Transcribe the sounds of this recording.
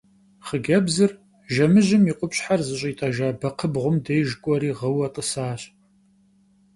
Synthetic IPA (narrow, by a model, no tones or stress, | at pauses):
χəɡɐbzɨr | ʒɐmɨʑɪmiːqʷʼʊpɕħarzɨɕ̬ʼiːtʼaːʒaːbɐqʰəbʁʷʊmdejʒkʷʼɔɾiːʁɐwɐtʼəsaːɕʼ